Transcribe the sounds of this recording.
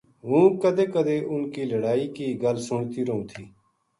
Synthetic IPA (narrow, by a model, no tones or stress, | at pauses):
ɦũːkəd̪eːkəd̪eːʔʊnkiːləɽaːiːkiːɡəlsʊɳt̪iːɾəɦũːt̪ʰiː